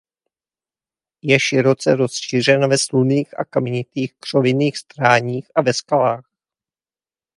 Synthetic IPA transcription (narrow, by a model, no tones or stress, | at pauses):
jɛʃɪɾo̞t͡sɛɾo̞sʃir̝ɛnvɛsluniːxʔa̰kamɛɲɪt̪iːxkr̝̥ovɪniːxst̪ɾaːɲiːxavɛskalaːx